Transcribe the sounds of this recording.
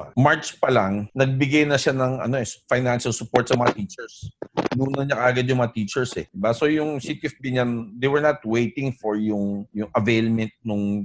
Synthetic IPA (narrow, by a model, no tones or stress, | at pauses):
maɹtt͡ʃpɐlaŋnɐɡ̚bɪɡajnɐʃanɐŋɐ̰no̞ɛsfajnanʃɐlsʊpoɹt̪̚sɐŋmɐŋɐt̪iːt͡ʃɛɹsnuːnɐɲakɐʔaɡad̪jʊŋmɐŋat̪iːt͡ʃɛɹsɛd̪ɪbaso̞jʊŋsit̪ɪɛfbiɲand̪ejwɛɹnat̪wejt̪ɪ̃ŋfɔɹjʊŋjʊŋʔɐvejlmɛnt̪̚nʊŋ